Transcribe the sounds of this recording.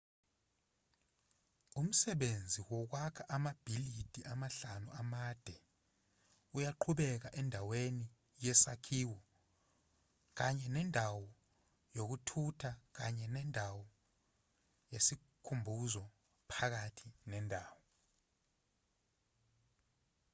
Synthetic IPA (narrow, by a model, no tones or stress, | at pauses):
um̩sɛɓend͡zʱiwɔk̬wakʰaʔamab̥ʱilid̥ʱiʔamaɬanuʔamad̥ʱɛ | ujaǃʰuɓɛk̬aʔɛndʱaweni | jɛsakʰiːwɔ | k̬aɲɛnɛndʱawɔ | jok̬utʰutʰak̬aɲɛnɛndʱawɔ | jesi | kʰumbʱuzɔ | pʰak̬atʰinɛndʱaːwɔ